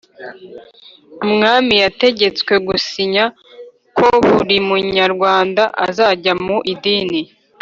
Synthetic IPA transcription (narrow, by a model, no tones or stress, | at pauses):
mŋaːmijate̞ɟe̞t͡swe̞ɡusiɲa | ko̞βuɾimuɲaɾɡwaːndaʔa̰zaɟamuʔidiːni